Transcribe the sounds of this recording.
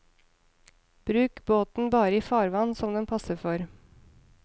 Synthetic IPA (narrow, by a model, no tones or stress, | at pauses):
b̥ɾʉːkboːt̪n̩bɑːɾəiːfɑːɾʋɑnsɔmd̪ɛnpʰɑsəfɔɾ